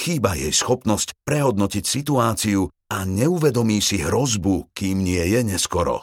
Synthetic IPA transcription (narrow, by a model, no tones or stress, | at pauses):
xiːbajɛjsxɔpnɔscpɾɛɦɔd̪nɔcicsit̪uaːt͡siu | aɲɛuʋɛd̪ɔmiːsiɦɾɔzbukiːmɲɪɛjɛɲɛskɔɾɔ̰